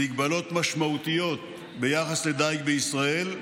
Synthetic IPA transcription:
iɡbalo̞t̪maʃmaut̪ijo̞t̪̚ | be̞jaχasled̪ajk̚beisʁae̞l

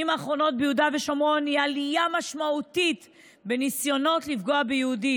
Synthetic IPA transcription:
imaːχʁo̞no̞t̚beudaveʃo̞mo̞nialijamaʃmautit | be̞nisjo̞no̞tlifɡo̞abejeudi

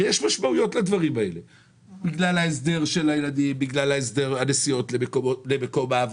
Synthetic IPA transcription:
jeʃmaʃmaujo̞tlad̪vaʁimae̞le̞ | biɡlalaes̬d̪e̞ʁʃe̞lajelad̪imbiɡlalaes̬d̪e̞ʁanesijo̞tlemekoolemeko̞maːv

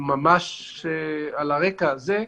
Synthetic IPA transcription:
mamaʃ | ealaʁekaːze

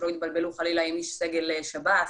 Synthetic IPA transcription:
ɾoit̪̚balbeluχalilaimiʃseɡeleʃaba

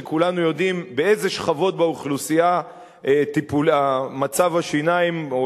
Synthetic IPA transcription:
ekulanujo̞d̪imbeezeʃχavo̞t̪̚beuχlusija | et̪ipulamat͡savaʃinaim

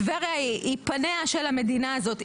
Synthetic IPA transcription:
veʁjaiipaneaʃe̞lame̞dinaazo̞t̪

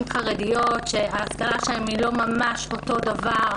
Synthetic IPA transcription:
mχaʁedijo̞t̪ʃeaːskalaʃaemilo̞mamaʃo̞to̞davaʁ

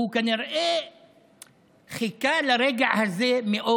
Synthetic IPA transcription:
ukaːnɪɾˤʔeː | xɪkaːlɾˤeɡɪʕhazeːmɪʔo

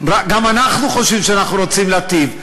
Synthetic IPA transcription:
ɾaɡamanaχnuχoʃivʃeanaχnuɾot͡simleat̪iv

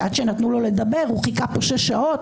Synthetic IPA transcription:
ad̪ʃenat̪nulo̞le̞d̪abe̞ʁuχikapoʃeʃaot

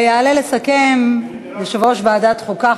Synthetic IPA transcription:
jaːlelesakem | leʃavoʃvaːd̪at̪χoka

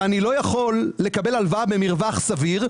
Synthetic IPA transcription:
anilo̞jaχo̞lːe̞kabe̞lalvabemiʁvaχsaviʁ

